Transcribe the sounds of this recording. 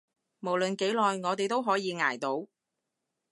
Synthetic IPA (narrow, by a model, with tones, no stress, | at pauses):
mo˨˩wlɵ˨nke˨˥jlɔː˨jŋɔː˨˧t̪e˨jt̪o˥wɦɔː˨˥jiː˨˧ŋa̰ː˨˩jt̪o˨˥w